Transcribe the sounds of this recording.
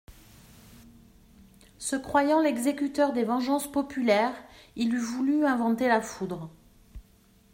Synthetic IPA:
səkχwajɑ̃lɛɡzekʲyt̪œʁd̪evɑ̃ʒɑ̃spɔpylɛʁilyvulyɛ̃vɑ̃t̪elafud̪ʁ

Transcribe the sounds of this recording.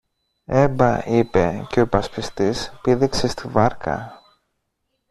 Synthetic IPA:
e̞bɐipe̞̰ceo̞pɐspist̪ispiðikse̞st̪ivɐɾkɐ̰

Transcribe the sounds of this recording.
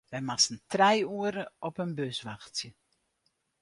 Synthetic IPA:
ʋɛjmasən̩trɛjuəɾəɔpənbøsʋaxtjə

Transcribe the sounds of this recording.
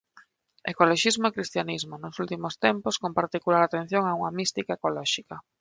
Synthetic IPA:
ekoloʃizmoekɾist̪janizmonosult̪imost̪emposkompaɾt̪ikulaɾat̪ẽn̟θjoŋauŋamist̪ikaekolɔʃika

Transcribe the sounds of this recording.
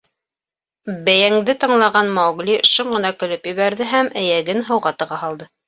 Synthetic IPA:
bæjæŋd̪ɘt̪ɤ̆ɴlˠɑʁɑnmɑwɡlʲiʃuɴɢɤ̆nɑkɵ̆lɵpjɘ̆βæɾðɘɦæmʔæjæɡɘnɦɤ̆wʁɑt̪ɤ̆ʁɑɦɑlˠd̪ɤ

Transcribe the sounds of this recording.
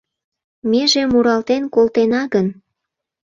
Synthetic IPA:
meʒemuɾɑlt̪enkolt̪enɑɣən

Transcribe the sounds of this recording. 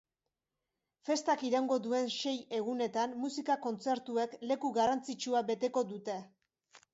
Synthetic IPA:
fe̞st̪akiɾawŋɡo̞d̪ue̞nʃe̞je̞ɣ̞une̞t̪anːusikako̞nt͡se̞ɾt̪ue̞kle̞kuɣarant͡sit͡ʃuabe̞t̪e̞ko̞d̪ut̪e̞

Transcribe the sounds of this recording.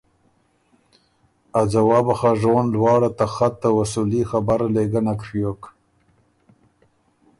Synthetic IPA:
azawɑːbaxaʐonlwɑːɽat̪axat̪ːawasulixabaɾaleɡanakʂjok

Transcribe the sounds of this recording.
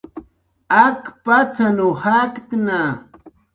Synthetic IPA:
akpat͡sanohakt̪na

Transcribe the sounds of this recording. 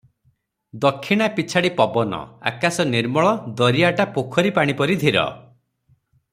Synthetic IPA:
d̪ɔkʰːiɽ̃apit͡ʃʰaɽipɔbɔnɔ̰a̰kasɔniɾmɔɭɔd̪ɔɾiaʈapokʰɔɾipaɽ̃ipɔɾid̪ʱiɾɔ̰

